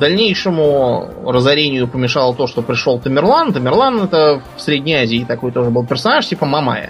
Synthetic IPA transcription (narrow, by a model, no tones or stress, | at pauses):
d̪ɐlʲnʲejʂɨmʊrəzɐɾʲenʲɪjʊpəmʲɪʂalˠət̪o̞ʂt̪opɾʲɪʂo̞lˠt̪əmʲɪrlˠant̪əmʲɪrlˠant̪ɛt̪əfsɾʲedʲnʲɪjazʲɪːt̪ɐko̞jt̪o̞ʐɨbɨlˠpʲɪrsɐnaʂtʲipəmɐma̰jə̰